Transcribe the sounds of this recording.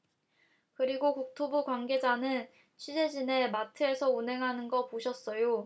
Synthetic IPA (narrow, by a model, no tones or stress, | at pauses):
kɯɾiɡokuk̚tʰobukwanɡe̞d͡ʑanɯn | t͡ɕʰid͡ʑe̞d͡ʑine̞matʰɯe̞sʰʌunɦe̞ŋɦanɯnɡʌpoɕʰʌs͈ʌjo